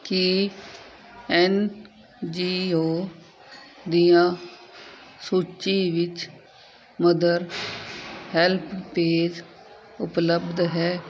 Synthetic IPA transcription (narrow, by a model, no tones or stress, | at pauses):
ki | ɛn | d͡ʒiːoː | d̪ijãː | suːt͡ʃiːʋɪt͡ʃ | məd̪əɾ | hɛlpʰpeːd͡ʒ | ʊpləbd̪ɦɛː